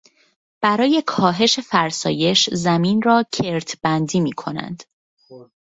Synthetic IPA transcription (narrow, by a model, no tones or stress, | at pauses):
b̥æɾɒːje̞kʰɒːɦe̞ʃe̞fæɾsɒ̰ːje̞ʃzæmiːnrɒːcʰeɾt̪ʰb̥ænd̪iːmiːkʰo̞næ̰nd̪̥